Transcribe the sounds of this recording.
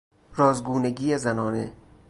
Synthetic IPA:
ɾɒːzɡuːneɡiːezænɒːne

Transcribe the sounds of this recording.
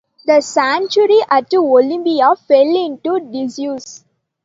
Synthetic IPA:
d̪əsæ̃nt͡ʃuɾiʔæʈːuolĩmbiafelɪ̃ɳʈuɖɪzjuːs

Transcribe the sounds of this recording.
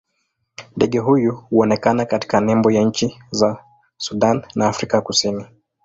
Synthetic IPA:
ndɛɠɛɦujuhuɔnɛkanakati̥kanɛmbɔjaɲ̩t͡ʃiza | suɗannaːfɾikakusini

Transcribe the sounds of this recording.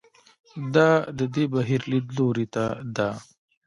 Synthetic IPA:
d̪ad̪əd̪ebɐɦiɾlid̪loɾit̪ad̪a

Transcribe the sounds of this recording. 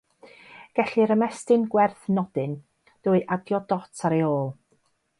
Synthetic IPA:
ɡ̥ɛɬiɾəmɛstɨnɡwɛrθnɔdɨn | d̥uːɨʔadjɔdɔtʰaɾejoːlˠ

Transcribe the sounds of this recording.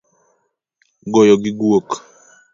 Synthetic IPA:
ɡɔjɔɡɪɡwok

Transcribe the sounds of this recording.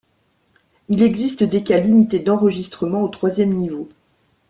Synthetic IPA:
ilɛɡzist̪d̪ekʲalimit̪ed̪ɑ̃ʁəʒist̪χəmɑ̃ot̪χwazjɛmnivo

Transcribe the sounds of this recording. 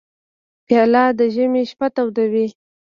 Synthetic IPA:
pjɑlɑd̪əʒəmeʃpat̪awd̪awi

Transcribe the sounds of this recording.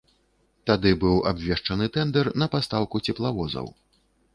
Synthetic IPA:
t̪ad̪ɨbɨwa̰bvʲɛʂt͡ʂɐnɨt̪ɛnd̪ɛrnɐpast̪awkut͡sʲɛplˠavɔzɐ̰w

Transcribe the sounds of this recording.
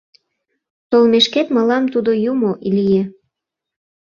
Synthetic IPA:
t̪olmeʃket̪mə̆lɑmt̪ud̪ojumoʔilije

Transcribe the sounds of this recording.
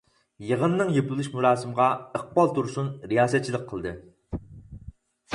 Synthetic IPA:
jəʁənːɨŋjepulˠuʃmuɾɑːsɨmʁɑəq̚bɑlˠt̪ʰuɾsunɾijɑːsɛt̪̚t͡ʃʰilˠəq̚qʰːəlˠd̪ɨ

